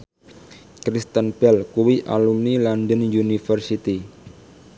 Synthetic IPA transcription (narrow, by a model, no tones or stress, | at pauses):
kɾist̪ənpɛlkuwiʔa̰lumnilandənjunifərsit̪i